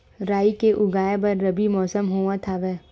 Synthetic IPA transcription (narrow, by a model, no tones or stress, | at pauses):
ɾaːikeʔʊɡaːjebɐɾːɐbimɔːsəmɦoːʋat̪ʰaʋɛː